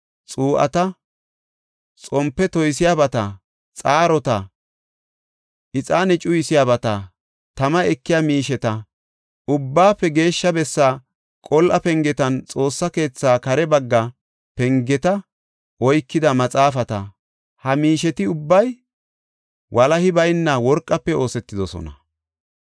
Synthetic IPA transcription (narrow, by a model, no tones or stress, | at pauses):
t͡sʼuːʔɐ̰t̪ɐ | t͡sʼɔmpːɛt̪ɔjs̬ɪjaːbɐt̪ɐ | t͡sʼaːɾɔt̪ɐ | ʔɪt͡sʼaːnɛt͡ʃʼʊjɪsɪjaːbɐt̪ɐ | t̪ɐmɐɛkːɪjaːmiːʃɛt̪ɐ | ʊbːaːpːɛɡe̞ːʃːɐbɛsːaː | kʼɔlʔɐpɛŋɡɛt̪ɐnt͡sʼo̞ːsːɐke̞ːt͡sːaːkɐɾɛbɐɡːɐ | pɛŋɡɛt̪ɐ | ʔɔjkːɪd̪ɐmɐt͡sʼaːfɐt̪ɐ | hɐmiːʃɛt̪ɪʊbːɐj | wʔɐlɐhɪbɐjnːɐwɔɾkʼːɐpːɛo̞ːsɛt̪ːɪd̪ɔsɔ̰nɐ